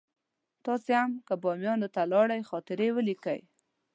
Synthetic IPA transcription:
t̪ɑsehamkəbɑmjɑnot̪alɑɽajxɑt̪ɪɾewəlikə̰j

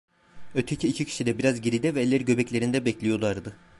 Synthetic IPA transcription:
øt̪ʰecʰiːcʰicʰi̥ʃid̪ɛbiɾazɟiɾid̪ɛvɛːlːʲæɾɟø̞bɛclʲeɾind̪ɛbɛclʲijo̞lˠaɾd̪ɯ

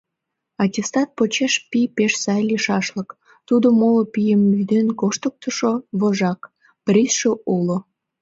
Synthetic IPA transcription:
ɑtʲest̪ɑt̪̚pot͡ɕeʃpipeʃsɑjliʃɑʃlək | t̪ud̪omolpijəmːyd̪enkoʃt̪ək̚t̪əʃoβoʒɑk | prʲisʃoulo

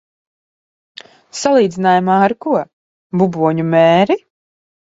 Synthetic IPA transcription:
salˠiːd̪zinaːjamaːaɾkuɔ | bubuɔɲumɛːɾi

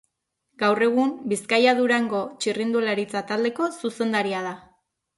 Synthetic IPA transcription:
ɡ̥awre̞ɣ̞umbiskajaðuɾaŋɡo̞t͡ʃirind̪ulaɾit͡sat̪ald̪e̞ko̞suse̞nd̪aɾiað̞a

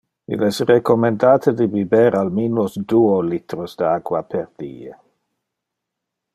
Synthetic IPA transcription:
ḭlɛsrekomendaːt̪ʰədibibɛɾalminlosduːolit̪ɾosd̥əakwapʰerd̪̥ḭːe

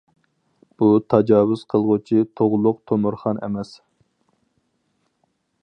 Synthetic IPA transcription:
b̥ut̪ʰɑd͡ʒɑːwʊz̥qʰəlˠʁʊt͡ʃʰit̪ʰoʁlˠʊqt̪ʰomuɾχɑnḛmɛs

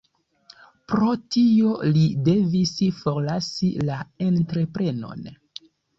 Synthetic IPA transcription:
pɾo̞tiolide̞visfo̞ɾlasilae̞ntɾe̞pɾe̞no̞̰n

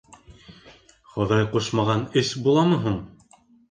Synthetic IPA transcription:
χoðɑjquʃmɑʁɑnɘsbulˠɑmɤɦuɴ

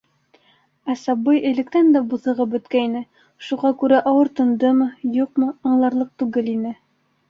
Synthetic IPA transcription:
æsɑbːɤjɘ̆lɘ̆k̚t̪ænd̪æbuðɤ̆ʁɤpbɵ̆t̪kæinɘ | ʃuʁɑkʉɾæʔɑwɤɾt̪ɤ̆nd̪ɤmɤjuq̚mɤ̆ɑɴlˠɑɾlˠɤq̚t̪ʉɡɘlinɘ

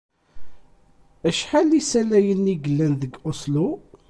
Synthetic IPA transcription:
əʃħalisælæjənːiɡəlːænðəɡʔoslu

